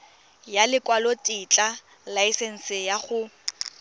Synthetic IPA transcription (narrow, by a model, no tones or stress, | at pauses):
jalɪkʼwalotʼit͡ɬʼa | laisen̩sɪjaχʊ